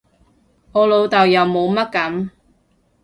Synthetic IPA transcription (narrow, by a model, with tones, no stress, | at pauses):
ɔː˨˧lo˨˧wt̪ɐ˨wjɐ˨wmo˨˧wmɐ˥t̚kɐ˨˥m